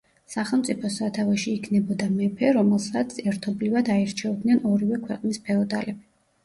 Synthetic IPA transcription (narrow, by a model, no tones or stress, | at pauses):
saχɛlˠmt̪sʼipʰɔsat̪ʰavɛʃiːkʰnɛbɔd̪amɛpʰɛɾɔmɛlˠsat̪sʰɛɾt̪ʰɔblivad̪aɛɾt͡ʃʰɛɔd̪nɛnɔɾivɛkʰwɛqʼnispʰɛɔd̪alɛbi